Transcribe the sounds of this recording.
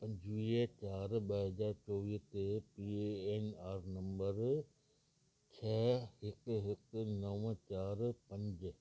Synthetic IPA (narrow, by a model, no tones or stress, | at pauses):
pɐ̃ɲd͡ʑʋiːet͡ɕaːɾɓəɦɐzaːɾt͡ʃɔːʋiːt̪epieːnaːɾnɐ̃mbəɾ | t͡ɕʰɛːhɪkɦɪknɐʋə̃t͡ɕaːɾpɐ̃ɲd͡ʑ